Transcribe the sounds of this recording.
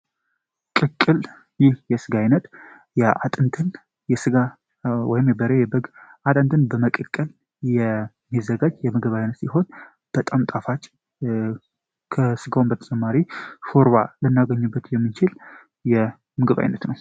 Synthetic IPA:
kʼɨkʼːɨl | jɪhjɛsɨɡajnət̪ | jɛʔat̪ʼɨnt̪ʰɨn | jɛsɨɡa | wɔjɪmjɛbəɾejɛbəɡʔat̪ʼɨnt̪ʰɨnbəməkʼɨkʼːɨl | jɛ | mːizːəɡad͡ʒjɛmɨɡɨβajnːət̪siɦo̞n | b̥ət̪ʼamt̪ʼafat͡ʃʼ | kʰəsɨɡawmbət̪ʰət͡ʃʼɛmːaɾifoɾwalɨnːaɡəɲːubːət̪jɛmːɨnt͡ʃʰɪl | jɛ | mɨɡɨβa̰jnːət̪nəw

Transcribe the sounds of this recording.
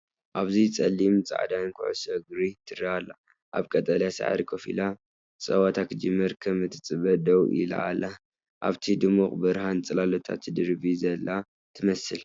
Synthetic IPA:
ʔaβzit͡sʼɐlːimt͡sʼa̰ʕd̪ankʰṵʕṵsɐɡɾit̪ʰɨɾialːa̰ | ʔa̰βkʼɐt̪ʼalasa̰ʕa̰ɾikʰofḭla | t͡sʼɐwat̪ʰakʰɨd͡ʒɨmːɐɾkʰɐmɨt̪ʰːɨt͡sʼɨβɐd̪ɐwʔḭla̰ʔa̰la | ʔaβt̪ʰid̪ɨmuχʼbɨɾhant͡sʼɐlalot̪ʰa̰t̪d̪ɨɾbizɐlːa | t̪ʰɨmɐsɨl

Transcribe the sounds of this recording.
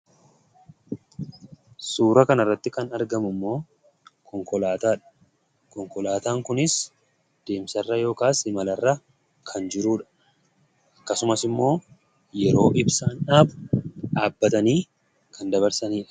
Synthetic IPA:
suːɾɐkɐnɐrːɐt̪ːɪkɐnɐɾɡɐmʊmːo̞ː | kʰɔŋkɔlaːt̪aːᶑɐ̥ | kɔŋkɔlaːt̪aːŋkʊnɪs | d̪̥e̞ːmsɐrːɐjo̞ːkaːsɪmɐlɐrːɐ | kʰɐnd͡ʒɪɾuːᶑɐ̥ | ʔɐkːɐsʊmɐsɪmːo̞ː | jɛɾo̞ːʔɪbsaːnᶑaːbᶑaːbːɐt̪ɐniː | kɐnd̪ɐβɐɾsɐniːᶑɐ̥

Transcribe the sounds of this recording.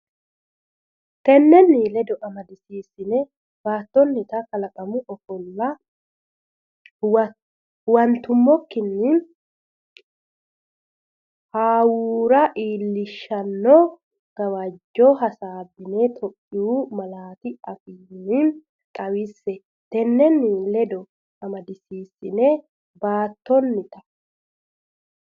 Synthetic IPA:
kɛnːɛnːiːlɛd̪ɔʔɐmɐd̪ɪsiːsːɪnɛ | baːt̪ːɔnːɪt̪ɐkɐlɐkʼɐmʊʔɔfɔlːɐ | wɐnt̪ːʊmːɔkːɪnːɪ | haːwuːɾɐʔiːlːɪʃːɐnːɔ | ɡ̥ɐwɐd͡ʒːɔɦɐsaːbːɪnet̪ʰɔʔʼːɪuːmɐlaːt̪ɪɐfiːnːɪn | t̪ʼɐwɪsːɛ | t̪ɛnːɛnːɪlɛd̪ɔ | ɐmɐd̪ɪsiːsːɪnɛ | baːt̪ːɔnːɪt̪ɐ̥

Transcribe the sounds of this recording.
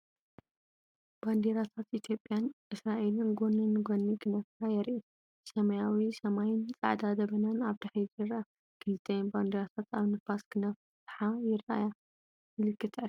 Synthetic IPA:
b̥and̪eɾat̪ʰat̪ʔit̪ʰjo̞pʼːjanʔɨsɾaʔelɨnɡonːɨnːɡonːiɡɨnɐfkajɛɾʔi | sɐmɐjawisɐmajint͡sʼa̰ʕd̪ad̪ɐβɐnanaβd̪aħzɨɾa | kʰɨlɨt̪ʰɐjnband̪eɾat̪ʰat̪ʰaβnɨfasɡɨnɐf | t̪ħajɪɾʔa̰ja | mɨlɨkːɨt̪ʰɐʕ

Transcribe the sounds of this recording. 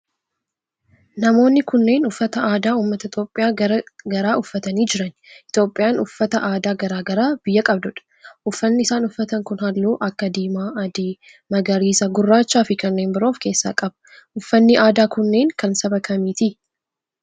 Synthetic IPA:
nɐmo̞ːnːɪkʊnːe̞ːnʊfːɐt̪ɐaːd̪aːuːmːɐt̪ɐɪt̪jo̞ːpʼːɪjaːɾɡɐɾaːʊfːɐt̪ɐniːd͡ʒɪɾɐn | ɪt̪o̞ːpʼːɪjaːnʊfːɐt̪ɐʔaːd̪aːɡɐɾaːɡɐɾaːb̥ɪjːɐkʼɐb̚d̪ʊᶑɐ̥ | ʔʊfːɐnːɪɪsaːnʊfːɐt̪ɐŋkʊnhɐlːuːʔɐkːɐd̪iːmaːɐd̪iː | mɐɡɐɾiːsɐɡʊrːaːt͡ʃːaːfɪkɐnːe̞ːnbɪɾo̞ːfke̞ːsːa̰ːkʼɐbɐ̥ | ʔʊfːɐnːɪʔaːd̪aːkʊnːe̞ːŋkɐnsɐbɐkʰɐmiːt̪i

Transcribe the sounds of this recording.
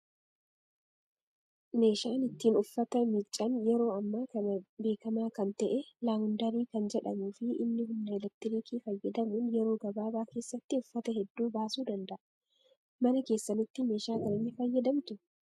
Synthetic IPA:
me̞ːʃaːnɪt̪ːiːnʊfːɐt̪ɐmɪt͡ʃʼːɐnjɛɾo̞ːɐmːaːkɐnɐbe̞ːkɐmaːkɐnt̪ɐʔɛlaːŋʊnd̪ɐɾiːkɐnd͡ʒɛᶑɐmuːfɪɪ̰nːɪɦʊnːɐɛlɛk̚t̪ɪɾikiːfɐjːɐd̪ɐmuːnjɛɾo̞ːɡɐbaːbaːke̞ːsːɐt̪ːɪʊfːɐt̪ɐɦɛd̪ːuːbaːsuːd̪ɐnd̪ɐʔɐ | mɐnɐke̞ːsːɐnɪt̪ːɪme̞ːʃaːkɐnɪnːɪfɐjːɐd̪ɐmt̪ʊ

